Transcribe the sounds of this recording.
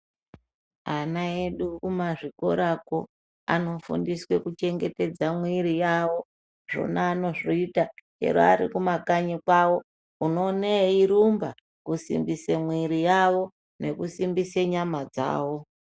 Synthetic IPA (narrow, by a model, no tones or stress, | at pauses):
anae̞ɗukumaʐiko̞ɾako | a̰no̞fṵndiswe̞kut͡ʃe̞ŋɡe̞te̞d͡zamwiɾijawo̞ | ʐ̥o̰naːno̞ʐoitat͡ʃe̞̰ɾo̰aɾikumakaɲikwawo̞ | uno̞neiɾumba | kusḭmbisemwiɾijawo̞ | ne̞kusimbiseɲamad͡za̰ːwo̞